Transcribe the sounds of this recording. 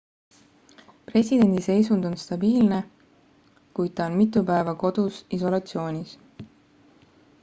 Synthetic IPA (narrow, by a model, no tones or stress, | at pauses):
pre̞sʲid̪e̞nʲd̪ise̞js̬und̪̥o̞nst̪ɑbiːlne̞ | kujd̪̥̚t̪ɑonmit̪ːˑupæevɑko̞d̪̥usiso̞lɑt̪sio̞ːnʲis